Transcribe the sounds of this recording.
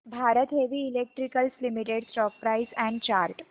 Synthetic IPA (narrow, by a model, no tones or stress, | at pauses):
bʱaɾət̪ɦeʋiːlek̚ʈɾikəlslimiʈeɽsʈɔk̚pɾaisɛ̃ɳɖt͡ɕaɾʈ